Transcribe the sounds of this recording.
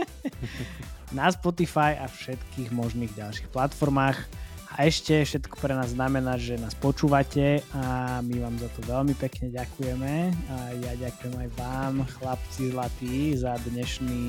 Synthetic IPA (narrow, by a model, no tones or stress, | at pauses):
naspɔt̪ifajafʃɛt̪kiːɣmɔʒniːɣɟalʃi̥xplat̪fɔɾmaːx | aʔɛʃcɛfʃɛt̪kɔ̥pɾɛnaːzːnamɛnaːʒɛnaːspɔt͡ʃuːʋacɛamiʋaːmzat̪ɔʋɛlmipɛkɲɛɟakujɛmɛajaɟakujɛmajʋaːmxlapt͡sizlat̪izad̪ɲɛʃniː